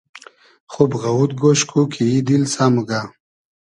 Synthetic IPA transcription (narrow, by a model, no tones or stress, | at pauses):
χobɣawud̪̚ɡoɕkʰukʰiid̪ilsamuɡa